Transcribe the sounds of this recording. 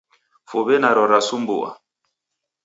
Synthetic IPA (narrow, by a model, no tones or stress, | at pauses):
foβɛnaɾɔɾasumbṵwa̰